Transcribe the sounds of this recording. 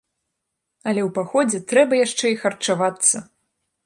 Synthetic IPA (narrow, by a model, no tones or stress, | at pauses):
ɐlʲɛwpaxɔd͡zʲɛt̪ɾɛbɐjaʂt͡ʂɛixɐrt͡ʂavat̪sːɐ